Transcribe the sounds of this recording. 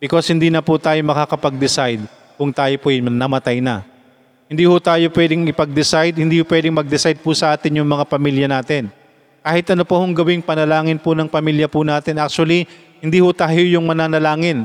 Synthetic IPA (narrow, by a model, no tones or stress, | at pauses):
b̥ɪkoshɪnd̪iːnɐpʊt̪aːjomɐkaːkɐpɐɡ̚d̪ɪsajd̪̚ | kʊŋt̪aːjopoʔɐjmnɐmɐt̪ajnɐ̰ | hɪnd̪iːhʊt̪aːjopwɛd̪ɪŋɪpɐɡ̚d̪ɪsajd̪̚hɪniːhʊpwɛd̪ɪŋmɐɡ̚d̪ɪsajd̪̚pʊsɐʔaːt̪ɪnjʊŋmɐŋapɐmiljɐnaːt̪ɪn | kaːhɪt̪ʔɐnopɐhʊŋɡɐwɪŋpɐnɐlaːŋɪnpʊnɐŋpɐmiljɐpʊnaːt̪ɪnʔak̚t͡ʃʊɐli | hɪnd̪iːhʊt̪aːjojʊŋmɐnaːnɐlaːŋɪn